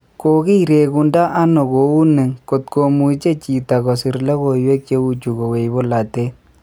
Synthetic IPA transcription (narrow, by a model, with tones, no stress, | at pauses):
ko˨ki˦ɾe˨ku˨nda˦ʔa˦no˨ko˨u˦ne˨ŋko˨t̚ko˨mu˨t͡ʃe˦t͡ʃi˨ta˨kɔ˨si˨ɾlɛ˦ko˨jwe˦k̚t͡ʃe˦u˦t͡ʃu˨ko˨we˨ibo˦la˨te˦